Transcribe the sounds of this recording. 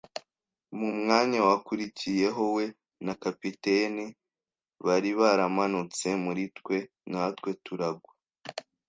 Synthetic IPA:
mumŋaːɲawakuɾicije̞ɦo̞we̞ | nakapiteni | βaɾiβaɾamanut͡se̞muɾitwe̞ | natkwe̞tuɾaɡwa

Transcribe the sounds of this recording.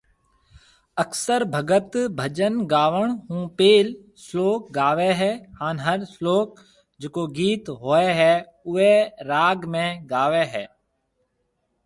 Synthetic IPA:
əksəɾbʱəɡət̪bʱəd͡ʒənɡaːʋəɳ̃ɦũːpeːl | sloːk̚ɡaːʋeɦɛːhaːnɦəɾsloːk̚ | d͡ʒeːkoːɡiːt̪ɦoːeɦɛː | ʊeɾaːɡmẽɡaːʋeːɦɛː

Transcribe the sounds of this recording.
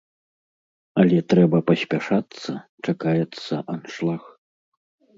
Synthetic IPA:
ɐlʲɛt̪ɾɛbɐpɐsʲpʲaʂat̪sːɐt͡ʂakajɛt̪sːɐʔanʂlˠax

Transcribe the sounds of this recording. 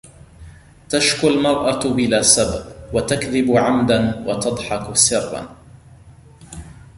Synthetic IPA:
t̪aʃkʊlmɑɾˤʔabɪlaːsababwat̪akðɪbʕamd̪anwa̰t̪ɑd̪ˤħɑksɪrːɑ̰

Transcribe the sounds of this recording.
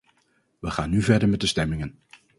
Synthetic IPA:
ʋəχaːnːyvɛɹdəɹmɛt̚dəstɛmɪŋən

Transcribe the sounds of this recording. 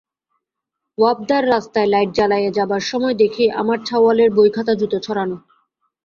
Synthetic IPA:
wab̚d̪aɾːast̪aelajʈ̚d͡ʑalajed͡ʑabaɾʃɔmɔed̪ekʰeʔa̰maɾt͡ɕʰawaleɾbojkʰat̪ad͡ʑɾut̪ot͡ɕʰɔɾano

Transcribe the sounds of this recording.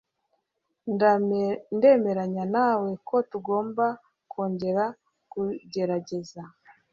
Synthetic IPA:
n | nde̞ːme̞ɾaɲanaːwe̞kʰo̞tuɡo̞ːmba | kʰo̞ːɲɟe̞ɾa | kuɟe̞ɾaɟe̞za

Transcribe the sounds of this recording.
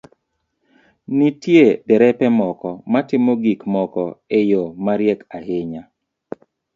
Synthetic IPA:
nitjedɛɾɛpɛmɔkɔmatɪmoɡikmɔkɔejomaɾjɛkaheɲa

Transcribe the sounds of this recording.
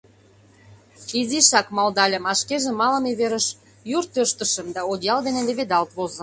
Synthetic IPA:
fiziʃɑkmɑld̪ɑlʲə̆mɑʃkeʒĕmɑlə̆meβeɾəʃ | jurt̪øʃt̪əʃəmd̪ɑod̪ʲjɑld̪enĕleβed̪ɑlt̪βozə̆

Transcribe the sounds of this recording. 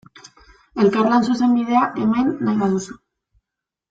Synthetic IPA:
e̞lkarlansuse̞mbið̞e̞aʔe̞majnːajβaðusu̥

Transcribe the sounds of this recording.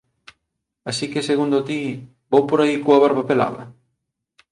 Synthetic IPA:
asikeseɣund̪ʊt̪i | bowpoɾaikoɐβaɾβɐpela̰βɐ̰

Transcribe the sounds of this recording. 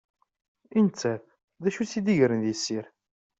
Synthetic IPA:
int͡sːæ | ðæʃusid̪iʝɾənðjəsːiɾ

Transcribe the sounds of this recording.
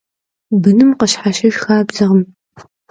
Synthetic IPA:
bɨnɨmqəɕħaʃɐʒxaːbzɐʁəm

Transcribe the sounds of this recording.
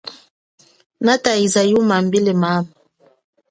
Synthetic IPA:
nataizajumambilemam

